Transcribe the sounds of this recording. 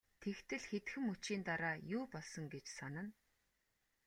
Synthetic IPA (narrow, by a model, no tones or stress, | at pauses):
t̪ʰekt̪ʰɘ̆ɮxet̪xɘ̆mut͡ɕiːnt̪aɾaːjʊːpɔɮsɞ̆ŋɡet͡ɕsanə̆n